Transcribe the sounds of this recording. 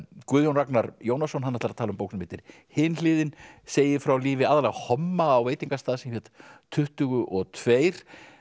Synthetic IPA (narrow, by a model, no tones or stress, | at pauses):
kʏːðjownraknaɾjoːwnasɔnɦanːɛt̪aɾat̪ʰaːlʏmpowknmɪːt̪ɪɾ̥ | hɪːnlɪːðɪnseːjɪfɾawliːvɪaːðalɛɣhɔmːaːwveːjt̪iŋkast̪aːðsɪmfjɛt̪t̪ʰːʏht̪ʏɣʏʔɔɣt̪ʰveːjɾ̥